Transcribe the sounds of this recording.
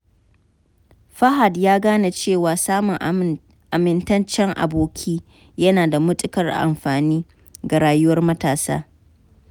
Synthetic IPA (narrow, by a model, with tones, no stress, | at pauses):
ɸɐ˦ɦa˨djaː˦ɡaː˦na˨t͡ʃeː˦˨waː˨saː˦mʊ˨ŋ | ʔa˨mɪ˦ntɐ˦nt͡ʃɛ˦ŋʔa̰˨boː˨kʲʰiː˦ | jɐ˦naː˨da˨mʊ˦tʼɪ˦kɐ˨rʔa̰˨mɸaː˨niː˦ | ɡa˨ɽaː˦jʊ˦wɐ˦rmɐ˦taː˨sa̰ː˦